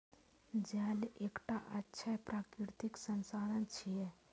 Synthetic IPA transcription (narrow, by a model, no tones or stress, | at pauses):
d͡ʒɛːleːkʈaʔətːʃʰəpɾaːkɾɪɾt̪iksənsaːɾənt͡ʃʰijɛ